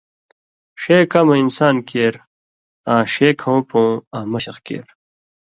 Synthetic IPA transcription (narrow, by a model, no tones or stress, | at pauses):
ɕeːkɐmɐinsaːnkeːɾ | ãːɕeːkʰoũpõːaːmɐɕɐχkḛːɾ